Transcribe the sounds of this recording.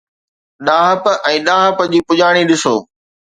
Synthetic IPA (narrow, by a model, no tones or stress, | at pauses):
ɗaːɦəpɛ̃ːɗaːɦəpd͡ʑiːpʊʄaːɽ̃iɗɪso̰ː